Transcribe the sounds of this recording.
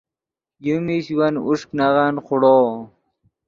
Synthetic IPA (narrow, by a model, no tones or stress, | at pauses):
jumiɕwanuʂknaʁanχʊɽoː